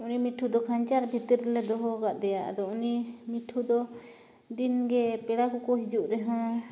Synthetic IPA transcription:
unimiʈʰud̪ɔkʰaɲt͡ʃaɾbʱit̪iɾlɛd̪ɔɦɔɡaʔd̪ɛjaʔa̰d̪ɔunimiʈʰud̪ɔ | d̪inɡɛpɛɽakukɔɦid͡ʒuʔɾɛɦɔ̃

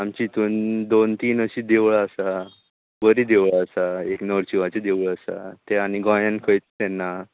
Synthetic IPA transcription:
amt͡ɕit̪uːnd̪ont̪iːnəɕiːd̪eʋɭəsa | bəɾiːd̪eʋɭəsaeknəɾt͡ɕuʋat͡sed̪eʋɭəsa̰t̪eaɽ̃iɡɔ̃jãnkʰəjt͡st̪ɛnːa

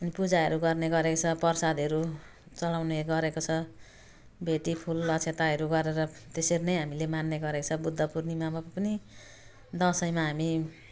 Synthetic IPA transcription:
ʌnipud͡zaɦʌɾuɡʌrneɡʌɾekot͡sʰʌpʌrsad̪ʱʌɾu | t͡sʌlawneɡʌɾekot͡sʰʌ | bʱeʈipʰulʌt͡sʰet̪aɦʌɾuɡʌɾeɾʌt̪eseɾinʌjɦamilemanːeɡʌɾekot͡sʰʌbud̪ʱːʌpurnimamapʌni | d̪ʌsʌjmaɦami

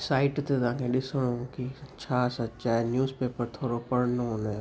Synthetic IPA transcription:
saːɪʈt̪et̪ɐʋ̤ãːkʰẽɗɪsəɽ̃õkit͡ɕʰaːsɐt͡ʃaːenjuːzpeːpəɾt̪ʰoːɾopɐɽnoɦõne

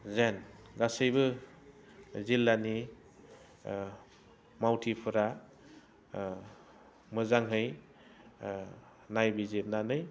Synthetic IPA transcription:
zenɡasɯjbɯ | zilːani | mawtʰipʰɯɾa | mɯzaŋɦɯj | najbizeɾnanɯj

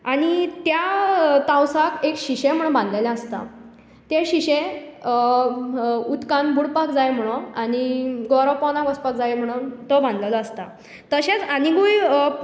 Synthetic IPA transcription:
aɽ̃it̪jat̪ãwsakekɕiɕem̤əɽ̃unbãnd̪lalãəst̪a̰ | t̪eɕiɕe | ut̪kãnbʱuɽpakd͡zajm̤əɽ̃uaɽ̃iɡɔɾəʋpɔnakɔspakd͡zajm̤əɽ̃uːnt̪ɔbãnd̪lalɔəst̪a | t̪əɕet͡saniɡuj

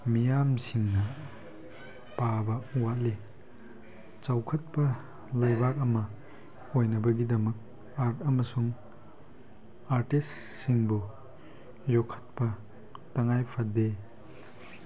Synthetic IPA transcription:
mijamsiŋnɐ | pabɐuwatle | t͡ʃawkʰɐt̚pɐ | lajbaɾɐmɐ | ojnɐbɐɡidɐmɐk̚ | aɾtɐmɐsuŋ | aɾtis | siŋbu | jɔkʰːɐ̥t̚pɐ | tɐŋajpʰɐde

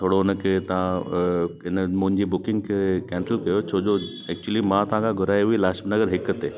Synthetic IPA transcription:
t̪ʰoːɽoɪnəkʰet̪ɐʋã | ɪnmʊ̃ɦɪ̃ɲd͡ʑibʊkɪ̃ŋɡkʰekɛ̃ːnsəlkɐjot͡ɕʰoːd͡ʒo | ɛk̚t͡ɕuəlimãt̪ɐãkʰaɡʱʊɾaːjɦuilaːʃbnɐɡəɾɦɪkət̪eː

